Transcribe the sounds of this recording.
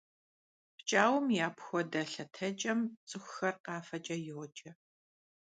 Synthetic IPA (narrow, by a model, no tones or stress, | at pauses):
pt͡ʃʼaːwʊmjaːpxʷɔdɐɬɐtʰɐt͡ʃʼɐmt͡sʼɨxʷxɐrqɑːfɐt͡ʃʼɐjɪwʷɔt͡ʃʼɐ